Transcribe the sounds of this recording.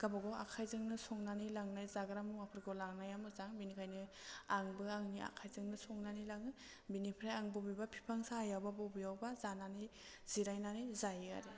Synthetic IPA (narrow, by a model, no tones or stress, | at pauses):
ɡ̥abaɡɔʔa̰kʰajzɯŋnɯsɔŋnanilaŋnajzaɡɯɾamɯwapʰɯɾɡɔlaŋnajamɯzaŋbinikʰajnɯaŋbɯaŋnia̰kʰajzɯŋnɯsɔŋnanilaŋɯ | binipʰɾajaŋbɔbibapʰi̥pʰaŋsaːjawbabɔbijawbazanani | z̥iɾajnanijzajɯa̰ɾi